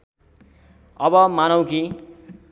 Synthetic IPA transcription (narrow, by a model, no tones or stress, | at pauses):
ʌbʌmanʌw̃ki